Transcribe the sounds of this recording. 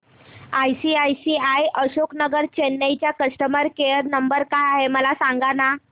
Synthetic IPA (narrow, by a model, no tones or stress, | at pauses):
ajsiajsiajʔəɕoknəɡəɾt͡ɕenːəjt͡ɕjakəʂʈəməɾkeəɾnəmbəɾkajaɦeməlasaŋɡana